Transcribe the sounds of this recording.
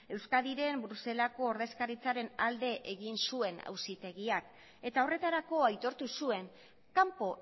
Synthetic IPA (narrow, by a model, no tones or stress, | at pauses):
e̞wskaðiɾe̞mbɾuse̞lako̞ːɾðe̞skaɾit͡saɾe̞nald̪e̞ʔeɣinsue̞na̰wsit̪e̞ɣiak | e̞t̪ao̞re̞t̪aɾako̞ajt̪o̞ɾt̪usue̞ŋ | kampo̞